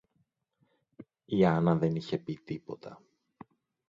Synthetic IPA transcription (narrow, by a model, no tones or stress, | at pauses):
iɐnɐðe̞niçe̞pit̪ipo̞t̪ʰɐ